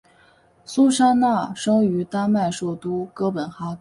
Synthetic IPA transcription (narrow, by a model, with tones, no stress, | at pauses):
su˥ʂa˥na˥˩ʂɤ˥ŋy˧˥t̪a˥ma˥˧ɪʂɔ˥˩t̪u˥kɤ˥pə˨˩nxa˥k